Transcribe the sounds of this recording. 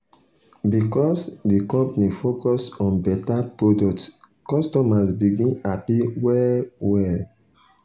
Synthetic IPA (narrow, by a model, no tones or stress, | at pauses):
bikɔsdikɔ̃mpnifokɔsɔ̃nbɛtapɹodɔk̚t | kɔstɔmasbiɡĩnapiwɛwɛl